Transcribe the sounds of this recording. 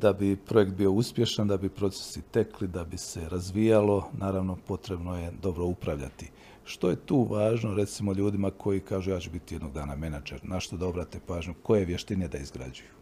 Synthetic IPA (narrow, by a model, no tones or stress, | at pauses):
d̪abipɾo̞jekt̪̚bio̞uspʲje̞ʃand̪abipɾo̞t̪se̥sit̪e̞klid̪abise̞ɾazʋijalo̞naːɾaʋno̞po̞t̪ɾe̞bno̞je̞d̪o̞bɾoupɾaʋʎa̰t̪i | ʃt̪o̞je̞t̪uːʋaːʒno̞ɾe̞t̪simo̞ʎuːd̪imakʰo̞jikaːʒujaːt͡ʃubit̪ije̞d̪no̞ɡ̚d̪aːname̞nad͡ʒḛɾnaʃt̪od̪aobɾat̪epaːʒɲuko̞jeʋjeʃt̪inied̪aizɡɾa̰d͡ʑuju